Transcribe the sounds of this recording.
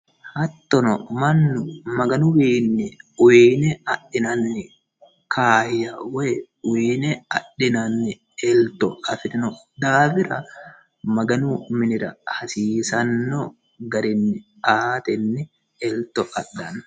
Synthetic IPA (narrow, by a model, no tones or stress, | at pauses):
hɐt̪ːɔnɔ̰mɐnːʊmɐɡɐnʊweːnːɪʊweːnɛɐɗːɪnɐnːɪ | kʰaːhjɐwɔ | ʊweːnɛɐɗːɪnɐnːɪ | ɛlt̪ɔɐfɪt̪ɪnɔ | d̪aːfɪɾɐ | mɐɡɐnʊmɪnɪɾɐ̰hɐsiːsɐnːɔ | ɡɐɾɪnːɪ | aːt̪ɛnːɪ | ɛlt̪ɔʔɐɗɐn